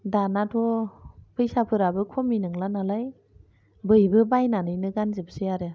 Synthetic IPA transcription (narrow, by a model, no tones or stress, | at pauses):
danatʰɔpʰɯjsapʰɯɾabɯkʰɔminɯŋlanalaj | bɯjbɯbajnanɯjnɯɡanzɯbseaɾa